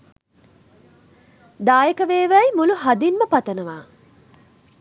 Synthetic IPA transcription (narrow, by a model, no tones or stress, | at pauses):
d̪aːjekɐʋeːʋæjmuluɦɐd̪inməpɐt̪ɐnɐʋaː